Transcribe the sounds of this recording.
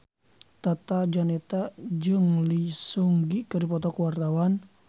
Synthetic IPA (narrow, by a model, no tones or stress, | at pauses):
t̪at̪ad͡ʒanɛt̪ad͡ʒɨŋlisuŋɡikərdipɔt̪ɔkəwart̪awan